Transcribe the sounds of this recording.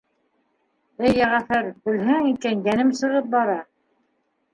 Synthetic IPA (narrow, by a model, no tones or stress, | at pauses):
ɘjːæʁæfæɾbɘ̆lɦɘŋikænjænɘmsɤ̆ʁɤp̚bɑɾɑ